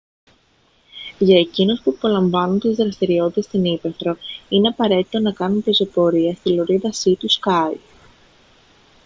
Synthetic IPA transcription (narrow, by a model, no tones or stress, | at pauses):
ʝɐe̞cinospupo̞lɐɱvɐnunt̪izðɾɐst̪iɾio̞t̪it̪e̞st̪inipe̞θɾo̞ine̞ɐpɐɾe̞t̪i̥t̪o̞nɐkɐnunpizo̞po̞ɾiɐst̪iloɾiðɐsit̪uskɐj